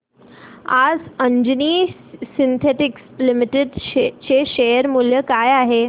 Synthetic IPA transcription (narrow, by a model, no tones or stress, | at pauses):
ad͡zəɲd͡ʑniːsint̪ʰeʈɪkslimiʈeɖt͡ɕeʃejəɾmuljəkajaɦe